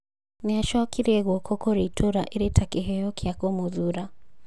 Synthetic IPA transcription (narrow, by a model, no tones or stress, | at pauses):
niaʃɔkʰiɾiɛɣɔkʰɔkɔɾitʰɔɾaʔilitʰakiɦɛjɔkʰiakɔmuðuɾa